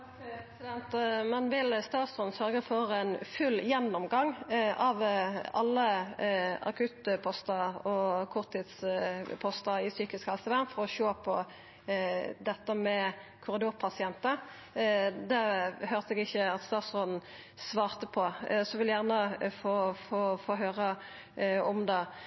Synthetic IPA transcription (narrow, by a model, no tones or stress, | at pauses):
sɪd̪ɛnt̪mɛnʋɪlst̪ɑːt̪sʁɔːd̪n̩sœʁɡəfɔʁɛɪnfʉlːjɛnːɔmɡɑŋɑʋɑlːə | ɑ̰kʰʉt̪pʰɔst̪ɑɔkʰʊʁt̪ʰːɪt̪spʰɔst̪ɑɪsyːkɪskhɑlsəʋæʁnfɔʁɔʃoːpʰɔ | d̪ɛt̪ːəmɛkʰʊʁɪd̪uːʁpʰɑsɪɛnt̪ə | d̪ɛhøːʁt̪əɛɡɪçːəɑt̪st̪ɑːt̪sɔd̪n̩ | sʋɑːʁt̪əpʰɔsɔʋɪljæʁnəfoːfoːfoːɦøːʁə | ɔmd̪ɑː